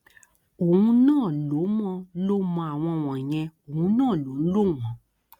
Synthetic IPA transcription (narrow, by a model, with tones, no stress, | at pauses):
o˨wũ˧nãː˦˨lo˨˦mɔ̃˧˦lo˦mɔ̃˧a˨w̃ɔ̃˧w̃ɔ̃˨ɲ̃ɛ̃˧o˨ũ˧nãː˦˨lo˨˦n̩˦lo˦wɔ̃˨˧